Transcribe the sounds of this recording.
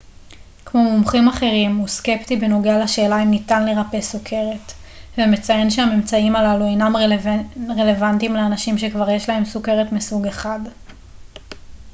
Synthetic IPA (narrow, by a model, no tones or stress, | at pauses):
kmo̞mumχimaχe̞ʁimuske̞pt̪ibeno̞ɡealaʃeːlaimnitanle̞ʁape̞sukʰe̞ʁe̞t | vemet͡saje̞nʃeame̞mt͡saimalalue̞jnam | ʁe̞le̞vant̪imleanaʃimʃekvaʁjeʃlae̞msuke̞ʁe̞tmisuɡe̞χad